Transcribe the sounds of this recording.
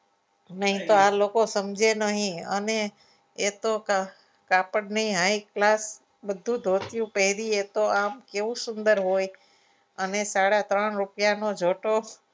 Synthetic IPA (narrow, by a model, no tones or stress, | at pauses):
nəɦĩt̪oalokosəmd͡ʒʱenəɦĩəneː | t̪ok | kapəɽnəɦĩɦaiklas | bəd̪ʱũd̪ʱot̪jũpəɦiɾiet̪oamkeʋũsʊnd̪əɾɦoj | ənesaɽat̪ɾəɳɾupjanod͡ʒʱoʈo